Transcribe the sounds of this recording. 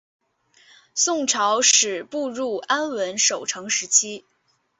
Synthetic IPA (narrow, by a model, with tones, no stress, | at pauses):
sʊ˥˩ŋʈ͡ʂʰɑ˧˥ʊʂɻ̩˨˩pu˥˧ɻu˥˩a˥nwə˧˥nʂo˨˩ʊʈ͡ʂʰɤ˧˥ŋʂɻ̩˧˥t͡ɕʰi˥